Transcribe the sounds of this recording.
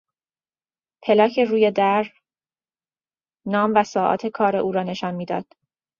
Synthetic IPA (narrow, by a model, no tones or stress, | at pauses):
pʰe̞lɒːcʰe̞ɾuːjed̪æɾ | nɒːmvæsɒːʔɒ̰ːt̪ʰe̞kʰɒːɾeʔuːɾɒːne̞ʃɒːnmiːd̪ɒ̰ːd̪̥